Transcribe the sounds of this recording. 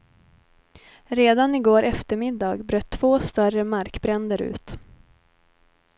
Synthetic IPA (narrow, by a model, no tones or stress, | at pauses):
ɾeːd̪anɪɡoːɾʔɛft̪əɾmɪd̪ːɑːɡbɾøːt̪ʰːv̥oːst̪œrəmaɾkbɾɛnd̪əɾʉ̟̰ːt̪